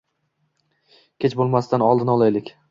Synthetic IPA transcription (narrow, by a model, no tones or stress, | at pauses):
kʲʰet͡ʃbolˠmast̪anɒlˠd̪ɪnɒlˠajlɪkʲ